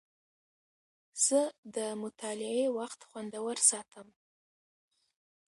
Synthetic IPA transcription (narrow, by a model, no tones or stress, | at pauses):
z̥əd̪əmʊt̪ʰɑlɪewaxt̪xwand̪awəɾsɑt̪ʰəm